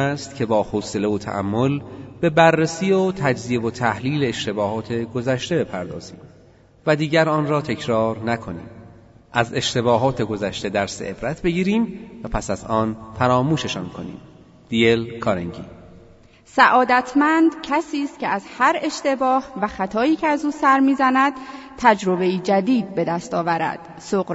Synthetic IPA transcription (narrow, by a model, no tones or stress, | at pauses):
æst̪cʰe̞bɒːhose̞le̞ot̪ʰæ̰ʔæ̰mːolb̥e̞bærːesiːot̪ʰæd͡ʒzievot̪ʰæhliːleːʃt̪e̞bɒːhɒːt̪ʰe̞ɡozæʃt̪e̞be̞pʰæɾd̪ɒ̰ːz̥ḭːm | væd̪iːɟæɾɒːnɾɒːt̪ʰecʰɾɒːɾnækʰo̞nḭːm | ʔæze̞ʃt̪e̞βɒːɦɒːt̪ʰe̞ɡo̞zæʃt̪e̞d̪æɾseʔebɾæt̪ʰbe̞ɟiːɾiːmvæpʰæsæzɒːnfæɾɒːmuːʃe̞ʃɒːnkʰo̞nḭːm | d̪̥ijelkʰɒːɾeŋɟḭː | sæʔɒːd̪æt̪ʰmænd̪cʰæsiːst̪̚cʲʰeʔæzhæɾe̞ʃt̪e̞bɒːhvæxæt̪ʰɒːjiːcʰeæzuːsæɾmiːzænæd̪̥ | t̪ʰæd͡ʒɾo̞be̞jiːd͡ʒæd̪iːd̪̚be̞d̪æst̪ɒːvæɾæ̰d̪̥ | soɣɾ